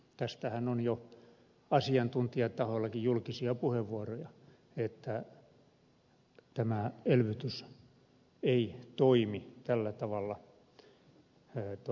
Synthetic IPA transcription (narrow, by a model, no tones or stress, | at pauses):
t̪æst̪æhænonjo | ɑsiɑnt̪unt̪iɑt̪ɑholːɑkijjulkisiɑpuheʋːuorojɑ | et̪ːæ | t̪æmæelʋyt̪ys | eit̪oimit̪ælːæt̪ɑʋɑlːɑ | t̪